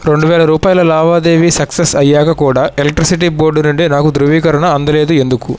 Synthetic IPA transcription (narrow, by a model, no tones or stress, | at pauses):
ɾe̞ɳɖuʋɛːlɐɾuːpaːjɐlɐlaːʋaːd̪e̞ːʋisɐksesɐjːaːkɐkuːɽaːʔelek̚ʈɾisiʈ̬iboːɾɖunuɳɖenaːkud̪ɾuʋiːkɐɾɐɳɐːnd̪ɐle̞ːd̪ue̞nd̪uku